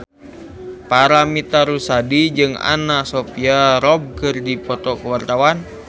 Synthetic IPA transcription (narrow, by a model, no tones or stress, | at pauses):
paɾamit̪aɾusadid͡ʒɨŋa̰nasopiaɾɔb̚kɨrdipɔt̪ɔkəwart̪awan